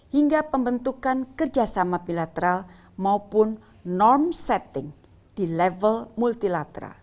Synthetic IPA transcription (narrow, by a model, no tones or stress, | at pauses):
hiŋɡapəmbənt̪ukankərd͡ʒasamapilat̪əɾal | maupʊnː | ɔrmsɛt̪ɪŋ | d̪̥ilɛvəlmult̪ilat̪əɾa̰l